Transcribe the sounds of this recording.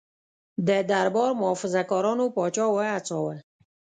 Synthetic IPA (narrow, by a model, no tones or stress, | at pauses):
d̪əd̪aɾbɔɾmʊɔfɪzakɑɾɑnopɑt͡ʃɑwaat͡sɑwa